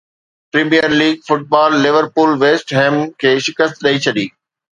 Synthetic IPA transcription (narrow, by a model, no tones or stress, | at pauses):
pɾiːmijəɾliːɡ̚fʊʈ̚baːlːɪʋəɾpuːlʋeːsʈɦẽːmkʰeːʃɪkəst̪ɗɐit͡ɕʰɐɗiː